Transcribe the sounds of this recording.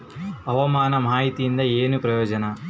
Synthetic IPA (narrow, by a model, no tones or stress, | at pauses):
ɐʋɐmaːnɐmaːɦit̪ijind̪ɐeːnupɾɐjoːd͡ʒɐnɐ